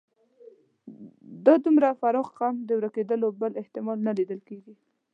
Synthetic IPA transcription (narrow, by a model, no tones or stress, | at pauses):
d̪əd̪umɾafaɾɑɣqamd̪əwɾaked̪əlobəlɪht̪ɪmɑlnalid̪əlkeɡi